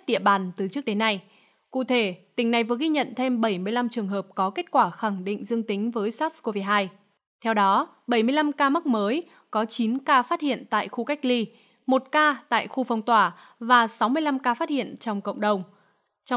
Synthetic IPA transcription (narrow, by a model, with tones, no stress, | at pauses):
ɗḭ˧˨əɓaː˨˩nt̪ɨ˨˩t͡ɕɨ˦˥ək̚ɗe˨˦nːa˧j | kṵ˧˨t̪ʰe˧˩t̪ï˨˩ŋ̟na˨˩jvɨ˨˩ɣi˧ɲə̰˧˨nt̪ʰe˧mɓə˧˩jmɨ˧əjla˧mt͡ɕɨ˨˩əŋɦəː˨˩p̚kɔ˨˦ke˦˥t̚kwaː˧˩xa˧˩ŋɗḭ̈˧˨ŋ̟zɨ˧əŋt̪ï˨˦ŋ̟vəː˨˦jsaː˦˥t̚sko˧vi˧ɦaː˧j | t̪ʰɛ˧wɗɔ˨˦ | ɓə˧˩jmɨ˧əjla˧mkaː˧m˦˥k̚məː˨˦j | kɔ˨˦t͡ɕi˨˦nkaː˧faː˦˥t̚hḭ˧˨ənt̪a̰ː˧˨jxu˧ka˦˥jk̟̚li˧ | mo˨˩t̚kaː˧t̪a̰ː˧˨jxu˧fɔ˧wŋ͡mt̪waː˧˩ | vaː˨˩sa˨˦wmɨ˧əjla˧mkaː˧faː˦˥t̚hḭ˧˨ənt͡ɕɔ˧wŋ͡mkə̰˧˨wŋ͡mɗə˨˩wŋ͡m | t͡ɕɔ˧